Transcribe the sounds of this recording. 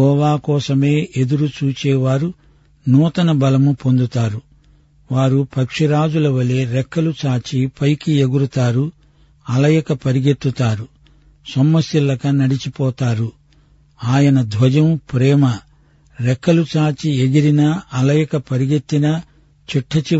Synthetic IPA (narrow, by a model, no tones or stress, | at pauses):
ɦɔːʋaːkɔːsɐme̞ːʔed̪uɾut͡ʃuːt͡ʃɛːʋaːɾu | nuːt̪ɐnɐbɐlɐmupo̞nd̪ut̪aːɾu | ʋaːɾupʰɐkʂiɾaːd͡ʒulɐʋɐleːɾɛkːɐlut͡ʃaːt͡ʃipɐjkie̞ɡuɾut̪aːɾu | ɐlɐjɐkɐpɐɾiɡet̪ːut̪aːɾu | sɐmːɐsjɐlɐkɐnɐɽit͡ʃipɔːt̪aːɾu | aːjɐnɐd̪ʱʋɐd͡ʒɐmpɾɛːmɐ | ɾɛkːɐlut͡ʃaːt͡ʃieɡiɾinɐɐlɐjɐkɐpɐɾiɡe̞t̪ːinɐ | t͡ʃiʈʰːɐt͡ʃi